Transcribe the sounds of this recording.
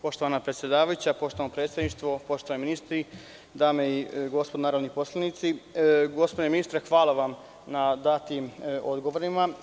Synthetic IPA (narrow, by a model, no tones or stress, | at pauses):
po̞ʃt̪oʋanapɾe̞t̪sʲje̞d̪aːʋajut͡ɕapo̞ʃt̪oanopɾe̞ːt̪sʲjed̪niʃt̪ʋo̞po̞ʃt̪oʋaniminist̪ɾi | d̪aːmeiɡo̞spod̪onaːɾod̪niposlˠanit̪siɡo̞spod̪eminist̪ɾaxʋaːlˠaʋam | nad̪at̪imo̞d̪ɡoʋoɾima